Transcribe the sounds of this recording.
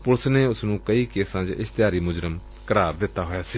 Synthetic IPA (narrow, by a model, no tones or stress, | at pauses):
pʊlsneːʊsnũːkəiːkeːsãːd͡ʒɪ̰st̪ɪjaːɾiːmʊd͡ʒɾəm | kəɾaːɾd̪ɪt̪ːaːɦoːjaːsiː